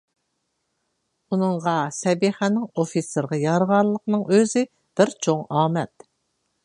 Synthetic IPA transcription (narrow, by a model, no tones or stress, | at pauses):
unɨŋʁɑsɛbiχænɪŋofiseɾʁɑjɑɾʁɑɾlˠːəqnɨŋøzɪ | b̥ɪɾt͡ʃʰoŋɑːmɛt̪̚